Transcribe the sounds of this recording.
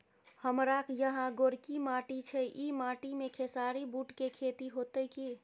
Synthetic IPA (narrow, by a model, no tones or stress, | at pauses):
həmɾakjəɦãɡoɾkimaʈit͡ʃʰɛʔimaʈimekʰesaɾibuʈkekʰet̪iɦot̪əki